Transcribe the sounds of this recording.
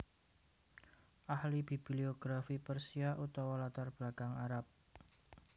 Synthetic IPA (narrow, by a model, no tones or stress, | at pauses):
ʔahlib̥i̤b̥ilioɡ̥ɾafipərsiaʔut̪ɔwɔlat̪arb̥lakaŋaɾap̚